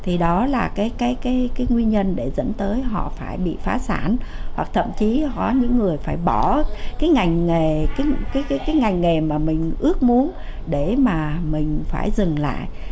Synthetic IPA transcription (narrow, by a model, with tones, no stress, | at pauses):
t̪ʰi˨˩ɗɔ˨˦laː˨˩kaː˨˦jkaː˨˦jkaː˨˦jkaː˨˦jŋwi˧nɲə˧nɗe˧˩zə̰˨˧˥nt̪əː˨˦jɦɔ̰˧˨faː˧˩jɓḭ˧˨faː˨˦saː˧˩nhwa˨˩k̚t̪ʰə̰˧˨mt͡ɕi˨˦hɔ˨˦ɲɨ̰˧˥ŋːɨ˨˩əjfaː˧˩jɓɔ˧˩kaː˨˦jŋa˨˩jŋ̟ŋe˨˩kaː˨˦jkaː˨˦jkaː˨˦jkaː˨˦jŋa˨˩jŋ̟ŋe˨˩maː˨˩mï˨˩ŋ̟ʔɨ˦˥ək̚mu˨˦ən | ɗe˧˩maː˨˩mï˨˩ŋ̟faː˧˩jzɨ˨˩ŋla̰ː˧˨jʔ